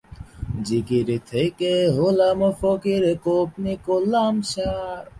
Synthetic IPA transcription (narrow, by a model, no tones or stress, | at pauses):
d͡ʒikiɾit̪ʰejkeɦolamofokiɾekop̚nikolamɕaɾ